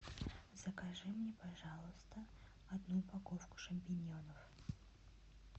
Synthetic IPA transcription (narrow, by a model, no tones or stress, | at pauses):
z̥əkɐʐɨmnʲepɐʐɑlˠʊst̪ə | ɐd̪nupɐkofkʊ̥ʂɨmʲpʲɪnʲjo̞nəf